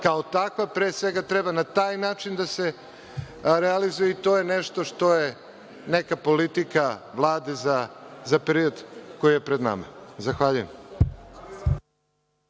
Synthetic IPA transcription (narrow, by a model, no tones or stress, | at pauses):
kaot̪akʋapɾeːsʋe̞ɡat̪ɾebanat̪aːjnaːt͡ʃind̪ase̞ | ɾealizujeit̪o̞ːjeneʃt̪oʃt̪o̞je | nekapo̞lit̪ikaʋlˠaːd̪ezazapeɾiod̪ko̞jijepɾed̪na̰ma̰zaxʋaʎujem